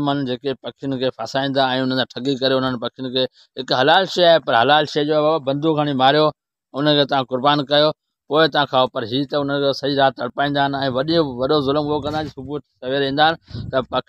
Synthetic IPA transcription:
mɐnd͡ʑeːkepɐkʰijʊnɪ̆kʰeːpʰaːsaːĩːn̆d̪aɛ̃ːʊnət̪ʰãːʈʰɐɡikɐɾeʊn̤ənɪ̆pɐkʰijʊnɪ̆kʰeː | ɦɪkɦɐlaːlʃeːaːɦepɐɾɦɐlaːlʃeːd͡ʑoːɛaːbabɐ̃nd̪ʱukʰəɽ̃imaːɾijo | ʊnəkʰeːt̪ɐʋ̤ãkʊɾbaːnkɐjo | poːɪt̪ɐʋ̤ãkʰaːopɐɾɦiːt̪ɐʊn̤ənkʰesɐiɾaːt̪ɐɽpaːĩːnd̪aːɦɪn̆ɛ̃ːʋɐɗijõʋɐɗozʊlmɡokɐ̃nd̪ãd͡ʑsʊbut̪sɐʋeɾĩːnd̪aɦɪnɪ̆t̪ɐpɐkʰ

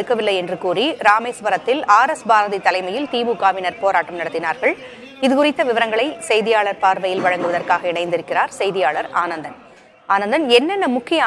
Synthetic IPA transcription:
ɽɯkːɐʋɪlːɐɪɛndrɯkuːriɾaːmeːsbɐɾɐt̪ːɪlaːɾɐsbaːɾɐðit̪ːɐlɐɪmɐjɪlt̪iːʋukaːʋɪnɐɾpoːɾaːʈːɐmnɐɽɐt̪ːɪnaːɾɣɐɭ | ɪðɯkʊrɪt̪ːɐʋɪʋɐɾɐŋɡɐɭɐɪsɛjðɪjaːɭɐɾpaːɾʋɐjɪlʋɐɻɐŋɡɯʋɐðɐrkaːɣɐɪɳɐɪnd̪ɪɾɯkːɪraːɾsɛjðɪjaːɭɐɾaːnɐnd̪ɐn | aːnɐnd̪ɐnɛnːɛnːɐmʊkːɪjɐa

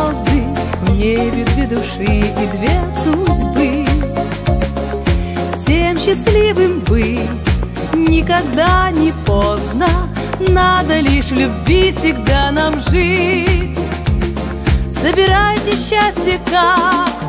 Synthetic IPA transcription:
zd̪ɨvnʲebʲɪd̪vʲed̪ʊʂɨid̪vʲesudbɨ | fsʲemɕːɪslʲivɨmbɨ | nʲɪkɐɡd̪anʲɪpoznə | nad̪əlʲiʂlʲʊbʲvʲifsʲɪɡd̪anamʐɨtʲ | z̥əbʲɪɾajtʲɪɕːasʲtʲjɪka

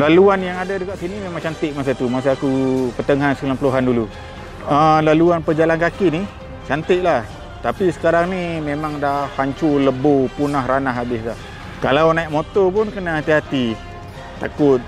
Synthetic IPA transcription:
laluanjaŋadadəkaʔsinimemaŋt͡ʃant̪ɪʔ̚mas̬at̪umas̬aakupət̪əŋansəkulanpəluɦandulu | əlaluanpəd͡ʒalankakini | t͡ʃant̪ɪʔlah | t̪apisə̥kaɾaŋnimemaŋdahaɲt͡ʃuləbopunahɾanaɦabɪslah | kalawnaiʔmot̪ɔpʊnkənaɦat̪iɦat̪i | t̪akʊt̪̚

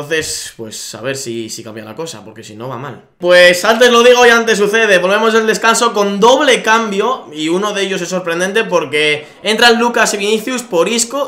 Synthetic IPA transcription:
onθe̞spwesːa̰β̞e̞ɾsisikambja̰la̰ko̞sa̰po̞ɾke̞sino̞βama̰l | pwe̞sant̪e̞zlo̞ð̞iɣ̞o̞iant̪e̞s̬uθe̞ðe̞βo̞lβe̞mo̞seld̪e̞skanso̞ko̞nd̪o̞β̞le̞kambjo̞iuno̞ðe̞ʎo̞se̞sːo̞ɾpɾe̞nd̪e̞nt̪e̞po̞ɾke̞ | e̞nt̪ɾaelːukasiβiniθjuspo̞ɾisko

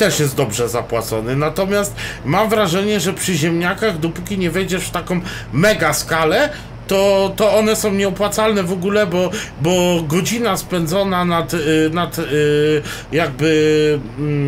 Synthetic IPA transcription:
t̪ɛʂjɛst̪d̪ɔbʐɛzapwat̪sɔnɘnat̪ɔmʲjast̪̚mamvɾaʐɛɲɛʐɛpʂɘʑɛmɲakaɣd̪ɔpukʲiɲɛvɛjd͡ʑɛʂft̪akɔ̃w̃ | mɛɡaskalɛ | t̪ɔt̪ɔɔnɛsɔ̃w̃ɲɛɔpwat̪salnɛvɔɡulɛbɔbɔɡɔd͡ʑinaspɛnd̪zɔnanat̪nat̪ | jaɡ̚bɘ

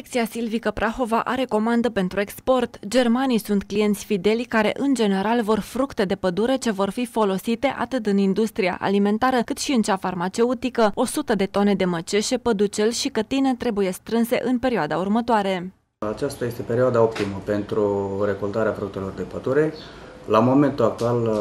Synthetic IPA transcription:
ekt̪siasilvikəpɾaxo̞vaʔaɾe̞ko̞mand̪əpe̞nt̪ɾuekspo̞rt̪d͡ʒe̞rmanijsunt̪klije̞nt̪sʲfid̪e̞lʲkaɾe̞̰ʔɨnd͡ʒe̞ne̞ɾalvo̞rfɾukt̪e̞d̪e̞pəd̪uɾet͡ʃe̞vo̞rfifo̞lo̞sit̪e̞ʔa̰t̪ɨt̪ɨnind̪ust̪ɾija̰ʔa̰lime̞nt̪aɾəkɨt̪ʃiɨnt͡ʃafarmat͡ʃe̞ut̪ikəo̞sut̪əd̪e̞t̪o̞ne̞d̪e̞mət͡ʃe̞ʃe̞pəd̪ut͡ʃe̞lʲʃikət̪ine̞t̪ɾe̞buje̞st̪ɾɨnse̞̰ʔɨnpe̞ɾioad̪aurmət̪oaɾe̞ | at͡ʃast̪aje̞st̪epeɾioad̪ao̞p̚t̪iməpe̞nt̪ɾuɾe̞kolt̪aɾeafɾuk̚t̪e̞lo̞rd̪e̞pəd̪uɾe̞ | lamo̞me̞nt̪ulak̚t̪ual

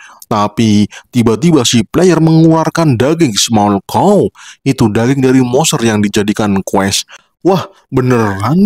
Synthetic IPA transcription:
t̪apit̪ibat̪ibasiplɛjərməŋularkandaɡɪŋsmalkɔwit̪udaɡɪŋdaɾimɔsərjaŋdid͡ʒadikankwɛs | wah | bənəran

